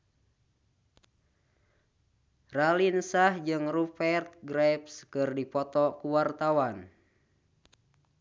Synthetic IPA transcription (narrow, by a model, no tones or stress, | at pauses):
ralinsahd͡ʒɨŋrupɛrt̪̚ɡɾɛpskɨrdipɔt̪ɔkuwart̪awan